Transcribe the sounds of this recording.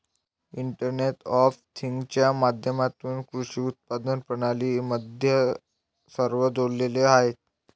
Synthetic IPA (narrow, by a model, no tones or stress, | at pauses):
iɳʈəɾneʈɔft̪ʰiŋɡt͡ɕjamad̪ʱjəmat̪uːnkɾuʂiːut̪̚pad̪ənpəɽ̃aliːməd̪ʱjə | səɾʋəd̪olːeleaɦet̪̚